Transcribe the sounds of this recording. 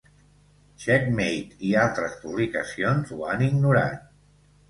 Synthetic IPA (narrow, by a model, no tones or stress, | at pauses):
ʃɛkmejt̪ialˠt̪ɾəspuβlikə̰sionzuaniɡnuɾa̰t̪̚